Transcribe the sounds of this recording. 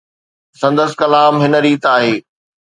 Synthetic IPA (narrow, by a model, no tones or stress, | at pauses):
sɐ̃nd̪əskɐlaːmɦɪnə̆ɾiːt̪aːɦeː